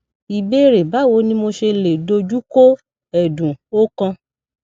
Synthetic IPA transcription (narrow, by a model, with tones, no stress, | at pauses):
i˧˨be˦ɾe˨ba˨˦˨wo˨˦nĩ˦mo˧ʃe˧le˨do˧d͡ʒu˦ko˦ | ɛ˨dũ˨o˦kã˧